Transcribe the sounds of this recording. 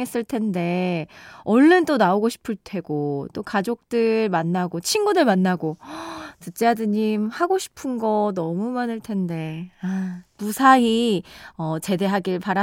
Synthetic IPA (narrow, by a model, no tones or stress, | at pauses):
es͈ɯɭtʰe̞nde̞ | ʌɭːɯnt͈onaoɡoɕʰi̥pʰɯɭtʰe̞ɡot͈okad͡ʑok̚t͈ɯɭmanːaɡot͡ɕʰinɡudɯɭmanːaɡotɯt͡ɕ͈eadɯɲimhaɡoɕʰi̥pʰɯnɡʌnʌmumanɯɭtʰe̞nde̞amusʰaiʌt͡ɕe̞de̞ɦaɡiɭpaɾa